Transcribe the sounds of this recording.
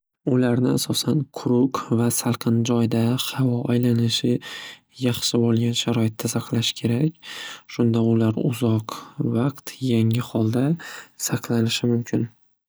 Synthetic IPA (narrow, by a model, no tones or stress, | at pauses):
ʊlaɾnɪasɒsankʰʊɾʊkvasalˠqʰɨnd͡ʒɒjd̪ahavɒajlanɪʃɪ | jɑχʃɪbolˠɡʲanʃaɾɒɪt̪ʰːasaqlaʃɪ̥kʲʰe̞ɾakʲʃʊnd̪aʊlaɾʊ̰zɒqvɑqt̪jaŋɪhɒlˠd̪asaqlˠanɪʃɪmʊmkʲʰɪn